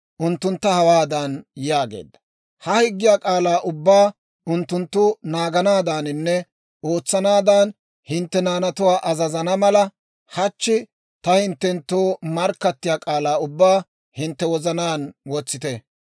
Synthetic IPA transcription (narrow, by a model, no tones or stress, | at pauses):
ʔʊnt̪ːʊnt̪ːɐhɐwaːd̪ɐnjaːɡḛːd̪ːɐ̥ | hɐhɪɡːɪjaːkʼaːlaːʔʊbːaː | ʔʊnt̪ːʊnt̪ːʊnaːɡɐnaːd̪aːnɪnːɛ | o̞ːt͡sːɐnaːd̪aːn | hɪnt̪ːɛnaːnɐt̪ʊwaːʔɐzɐzɐnɐmɐlɐ | hɐt͡ʃːɪ | t̪ɐhɪnt̪ːɛnt̪ːoːmɐɾkːɐt̪ːɪjaːkʼaːlaːʊbːaː | hɪnt̪ːɛwɔzɐnaːnwɔt͡sːɪt̪ɛ